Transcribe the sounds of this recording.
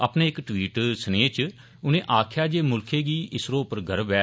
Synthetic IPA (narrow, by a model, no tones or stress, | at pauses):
əpneːɪkʈʋiːʈsəneːt͡ʃ | ʊnẽːʔaːkʰjaːd͡ʒeːmʊlkʰeːɡiːʔɪsɾõːpəɾɡʱəɾəbɛː